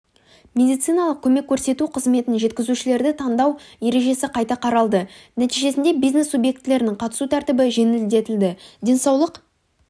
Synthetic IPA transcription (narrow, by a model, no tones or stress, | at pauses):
mʲe̞d̪ijt̪sɨjnɑlˠəq̚kʲʰɵme̞kʲʰːɵɾse̞t̪uqʰəzme̞t̪ɪnʒe̞t̪kʲɪzuʃɪle̞ɾd̪ɪt̪ʰɑnd̪ɑwje̞ɾe̞ʒe̞sɪqʰɑjt̪ɑqʰɑɾɑlˠd̪ənæt̪ijʒe̞sɪnd̪e̞bijzne̞sːubje̞k̚t̪ːɪle̞ɾɪnɪŋqʰɑt̪ə̥sut̪ʰæɾt̪ɪbɪʒe̞nɪld̪e̞t̪ɪld̪ɪd̪ʲe̞nsɑwlˠəq